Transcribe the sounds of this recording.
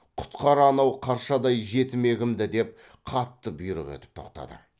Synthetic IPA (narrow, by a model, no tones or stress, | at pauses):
qʰʊ̥t̪qɑɾəɑnɑwqʰɑɾʃɑd̪ɑjʒe̞t̪ɪme̞ɡʲɪmd̪ɪd̪e̞p̚ | qʰɑt̪ːəbʊjɾə̰ʁḛt̪ɪ̥p̚t̪ʰo̞̰qt̪ɑ̰d̪ə̰